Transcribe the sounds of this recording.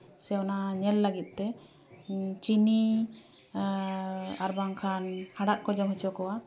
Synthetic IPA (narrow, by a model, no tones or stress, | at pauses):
sɛwnaɲɛlːəɡit̪̚ˀt̪ɛ | t͡ʃini | aɾbaŋkʰanhaɖaʔ̪̚kɔd͡ʒɔmɦut͡ʃɔkɔwa